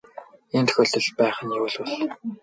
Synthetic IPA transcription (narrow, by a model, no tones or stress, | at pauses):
iːnt̪ʰɵ̥̆xʲoːɬt̪ə̆ɮpæːχə̆njewuɮʊɮ